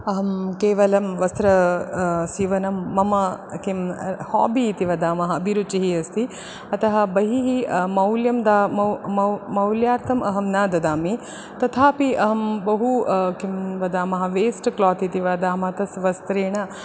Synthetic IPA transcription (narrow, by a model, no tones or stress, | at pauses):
ɐɦɐmkeːʋɐlɐmʋɐst̪ɾɐ | siːʋɐnɐmːɐmɐkimhɔ̰ːbiːt̪iʋɐd̪aːmɐɦɐɐbiɾut͡ʃiɦiɐst̪ʰi | ɐt̪ɐɦɐ̆bɐɦiɦimɐwljɐmd̪aːmɐɐmɐwljaːɾt̪ʰɐmʔɐɦɐmnaːd̪ɐd̪aːmi | t̪ɐt̪ʰaːpiɐɦɐmbɐɦukimʋɐd̪aːmɐɦɐʋeːsʈklɔːt̪it̪iʋaːd̪aːmɐt̪ɐsʋɐst̪ɾeːɳɐ